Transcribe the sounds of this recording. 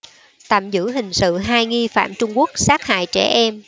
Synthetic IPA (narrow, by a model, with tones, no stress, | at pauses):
t̪a̰ː˧˨mzɨ̰˧˥ɦï˨˩ŋ̟sɨ̰˧˨ɦaː˧jŋi˧fa̰ː˧˨mt͡ɕʊ˧ŋ͡mku˦˥ək̚saː˦˥k̚ha̰ː˧˨jt͡ɕɛ˧˩ʔɛ˧m